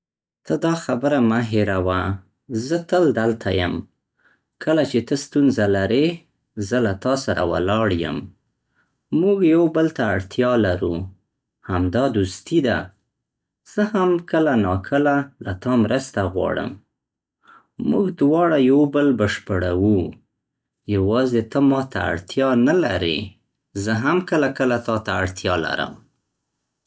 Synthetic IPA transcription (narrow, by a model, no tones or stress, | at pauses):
t̪əd̪ɑxabəɾamaɦeɾawa | zət̪əld̪alt̪ʰajəm | kʰəlat͡ʃet̪əst̪unzalaɾe | zəlat̪ɑsaɾa̰wa̰lɑɽjə̰m | muɡjawbəlt̪aːɽt̪jɑlaɾu | hamd̪ɑd̪ust̪id̪a̰ | z̥əhamkəlanɑkʰəlalat̪ɑmɾəst̪aɣwɑ̰ɽə̰m | muɡd̪wɑɽajawbəlbəʃpəɽawu | jawɑzet̪əmɑt̪a̰a̰ɽt̪jɑnalaɾḛ | zəɦamkəlakəlat̪ɑt̪aaɽt̪jɑla̰ɾə̰m